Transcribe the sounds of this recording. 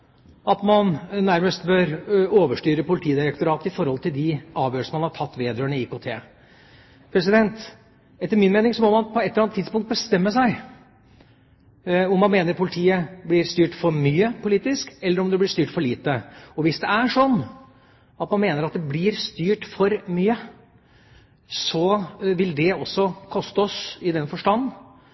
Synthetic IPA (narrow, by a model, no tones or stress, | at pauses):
ɑt̪mɑnnæɾməst̪bøɾoːʋəʂʈyːɾəpʊlɪt̪ʰiːəd̪ɪɾɛk̚t̪ʊɾɑːt̪əɪfɔɾhɔlt̪ʰɪld̪ɪɑːʋjøːsmɑnhɑʈʰɑt̪ːʋeːd̪ɾøːɳəikoːt̪ʰḛː | pʰɾɛsɪd̪ɛnt̪ | ɛt̪ːəɾmɪnmeːnɪŋsɔmɔmɑnpʰɔɛt̪ləɾɑnt̪ʰːɪd̪spʊŋkt̪̚bəst̪ɛmːəsæɪ | ɔmːɑnmeːnəɾpʰʊlɪt̪ʰiːəblɪɾst̪yːʈfɔɾmyːəpʰʊliːt̪ɪskɛlːəɾɔmd̪ɛblɪʂt̪yːʈfɔɭiːt̪əɔʋɪsd̪ɛæʂɔnː | ɑt̪mɑnmeːnəɾɑt̪̚d̪ɛblɪɾst̪yːʈfɔɾmyːə | sɔʋɪld̪ɛɔsːɔkʰɔst̪əɔsɪd̪ɛnfɔʂʈɑnː